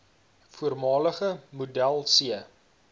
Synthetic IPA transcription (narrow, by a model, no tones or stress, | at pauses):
fuərmɑːləχəmudælˠsiə